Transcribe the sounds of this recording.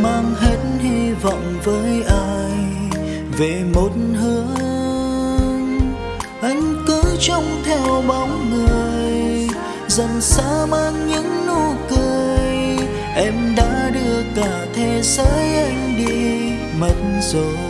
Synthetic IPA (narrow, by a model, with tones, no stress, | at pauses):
maː˧ŋɦe˨˦nhi˧vɔ̰˧˨wŋ͡mvəː˨˦jʔaː˧j | ve˨˩mo˨˩t̚n̩ɦɨ˨˦ə | ŋ | ʔa˧˦jŋ̟kɨ˨˦t͡ɕɔ˧wŋ͡mt̪ʰɛ˧wɓɔ˨˦wŋ͡mŋɨ˨˩əjj | zə˨˩nsə̰˧˦˥maː˧ŋɲɨ̰˧˥ŋnu˧kɨ˧əəj | ʔɛ˧mɗa̰ː˧˥ɗɨ˧əkaː˧˩t̪ʰe˧˩səː˨˦jʔa˧jŋ̟ɗi˧ | mə˨˩t̚nzo˨˩j